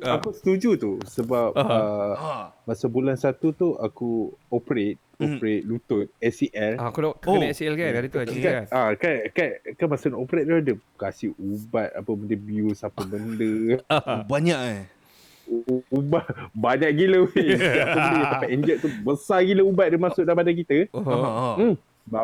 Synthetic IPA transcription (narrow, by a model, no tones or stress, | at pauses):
akusə̥t̪ud͡ʒut̪usəbap̚ə | masabulansat̪ut̪uʔa̰kuopəɾet̪̚opɾet̪̚lut̪ʊt̪̚ɛsiʔɛlkuɛsiɛlkait̪ukaakankankanmasanʔopəɾet̪̚ludəkasɪhubat̪̚a̰pəbəndəbiusapəbəndə | baɲaʔ | ubabaɲaʔɡiləwiapəjãsapaʔɛnd͡ʒəʔ̚t̪ubəsaɡiləubat̪̚dəmasʊʔ̚daipadak̬it̪ə | ba